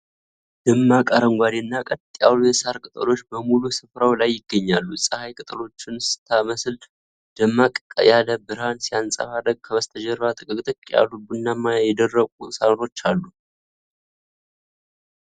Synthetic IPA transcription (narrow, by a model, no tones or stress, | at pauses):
d̪̥əmːakʼəɾəŋɡʷad̪enːakʼət̪t̪ʼja̰lujɛsaɾkʼɨt̪ʼəlo̞t͡ʃːbəmulusɨfɾawlajːɪɡːəɲːalːusʼəhajkʼɨt̪ʼəlo̞t͡ʃːɪnsɨ̥t̪ʰaməsɨl | d̪̥əmːakʼkʼə̰jaləbɨɾhansijansʼə̰fad̪əɡ̚kʰəβəst̪ʰəd͡ʒɛɾβat̪ʼɨkʼɨkʼt̪ʼɨkʼja̰lubɨnːamːajajɛd̪ərːəkʼusanɾo̞t͡ʃːalːu